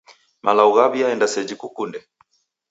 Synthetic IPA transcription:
mʔalauɣabiaɛndasɛd͡ʒikukundɛ

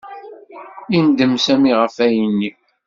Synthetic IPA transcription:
ind̪əmsæmiʁəfæjənːi

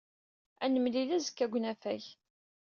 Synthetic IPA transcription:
ænəmlilæzə̥kːæɡʷnæfæç

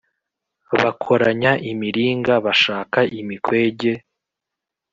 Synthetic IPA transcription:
βakʰo̞ɾaɲaʔimiɾiːŋɡaβaʃaːkaʔimikwe̞ːɟe̞

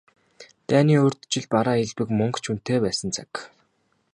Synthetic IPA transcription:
t̪æːniːɵrt̪t͡ɕɪ̆ɮpaɾaːeɮpɘ̆kmɵŋkt͡ɕʰun̥t̪eːpæːsə̆nt͡sʰḁk

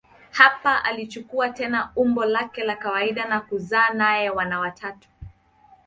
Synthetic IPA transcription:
hapaʔa̰lit͡ʃukuatɛnaumbɔlakɛlakawaiɗanakuzaːnajɛwanawatʰatu̥

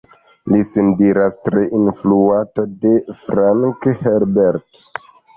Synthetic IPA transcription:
lisindiɾastɾeʔinfluatade̞fɾaŋkheɾbeɾt

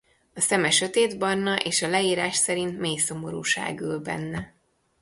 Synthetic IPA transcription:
ɒsɛmɛʃøt̪eːd̪bɒrnɒʔeːʃɒlɛiːɾaːʃsɛɾint̪meːjso̞mo̞ɾṵːʃa̰ːɡøːlbɛ̰nːɛ

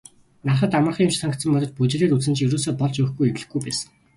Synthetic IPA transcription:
naχə̆t̪amə̆rχimt͡ɕsaŋkt̪sə̆mːpːɔt̪ɞ̆t͡ɕput͡ɕːɮeːɾut͡sɘ̆nt͡ɕɵɾuːsoːpɔɮt͡ɕɵ̆xɡujet̪ɮɘ̆xɡujpæːsə̥̆ŋ

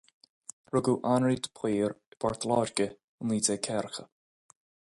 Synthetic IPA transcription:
ɹʊɡuʔanɹiːd̪ə̥pʰiːɹəb̥aɹt̪ʰlɔːɹɡə | ənliːdɛkʰɛɾxə̰

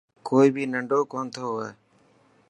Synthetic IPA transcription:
koːiːbʱiːnəɳɖoːkoːnt̪ʰoːɛː

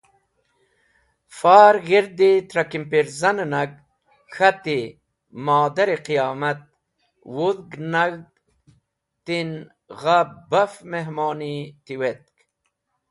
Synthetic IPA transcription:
faːɾɣiɾd̪it̪ɾɐkimpiɾzɐnnɐɡ | xat̪i | maːd̪ɐɾiqijaːmɐt̪̚ | wuðɡnaɡ | t̪in | ʁabɐfmeɦmoːnit̪iwet̪̚k

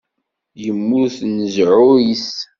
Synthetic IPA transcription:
jəmːʊɾθnəzʕʊɾis

